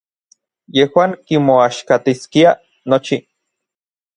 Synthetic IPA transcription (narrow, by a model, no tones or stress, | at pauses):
jehwaːŋkimoaʃkat̪iskia | not͡ʃi